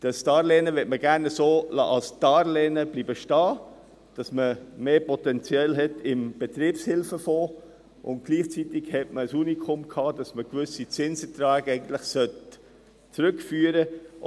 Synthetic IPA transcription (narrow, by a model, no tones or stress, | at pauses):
d̥ɑstɑːɾlɛːnəʋɛtməɡæɾnəsoːlɑ̰ːʔɑlstɑːɾlɛːnəb̥liːbəʃtɑː | d̥ɑsməmeːpɔtɛnt͡sjɛlɦɛtɪmb̥ɛtɾiːpshɪlfəfoː | ʔʊ̰nt̚ɡ̥liːχt͡sitɪɡ̥hɛtməəsuːnikʰʊmkʰɑːd̥ɑsməkʋʏsit͡sɪnsətɾaːɡɛɪɡən̩t̪lɪχsœt | t͡sɾʏkfyːəɾə